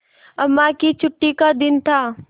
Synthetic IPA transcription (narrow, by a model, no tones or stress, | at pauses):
ɐmːakit͡ʃʰʊʈːikad̪ɪnt̪ʰaː